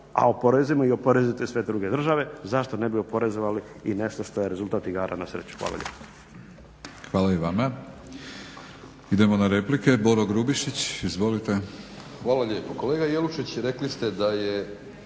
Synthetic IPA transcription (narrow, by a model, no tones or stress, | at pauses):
a̰o̞po̞ɾezimoio̞poɾezit̪esʋe̞d̪ɾuːɡe̞d̪r̩ʒaʋe̞zaʃt̪one̞bio̞po̞ɾe̞zoʋali | ine̞ʃt̪oʃt̪ojeɾe̞zulˠt̪aːt̪iɡaːɾʔa̰nasɾḛːt͡ɕu̥xʋa̰ːlˠa̰ʎʲʔḛːpo̥ | xʋaːlaiʋama | id̪e̞monaɾeplikeboɾoɡɾubiʃit͡ɕizʋo̞lit̪exʋaːlˠaʎeːpokoleːɡajeluʃit͡ɕɾeklist̪ed̪aje